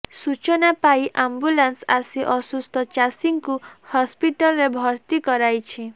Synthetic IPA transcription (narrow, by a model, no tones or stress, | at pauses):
sut͡ʃɔnapajiʔambulansasiʔɔsust̪ɔt͡ʃasiŋkuhɔspiʈɔlɔɾebʱɔɾt̪ikɔɾajt͡ʃʰi